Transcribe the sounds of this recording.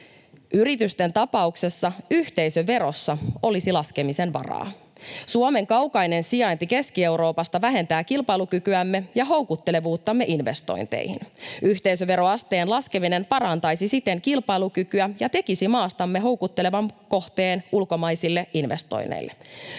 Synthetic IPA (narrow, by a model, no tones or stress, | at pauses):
ʔyɾit̪yst̪e̞nt̪ɑpɑukse̞sːɑyht̪e̞jsøʋe̞ɾo̞sːɑo̞lisilɑske̞mise̞nʋɑ̰rɑ̰ː | suome̞ŋkɑwkɑjne̞nsiɑjnt̪ike̞skie̞wɾo̞ːpɑst̪ɑʋæɦe̞nt̪æːkilpɑilukykyæmːe̞jɑɦo̞wkut̪ːe̞le̞ʋuːt̪ːɑmːe̞ʔinʋe̞st̪o̞̰int̪ḛjhḭnyht̪eisøʋe̞ɾo̞ɑst̪eːnlɑske̞mine̞mpɑɾɑnt̪ɑjsisit̪e̞ŋkilpɑjlukykyæjɑt̪e̞kisimɑːst̪ɑmːe̞ɦo̞wkut̪ːe̞le̞ʋɑmko̞ht̪e̞ːnulko̞mɑjsilːe̞inʋe̞̰st̪o̰jnḛjlːe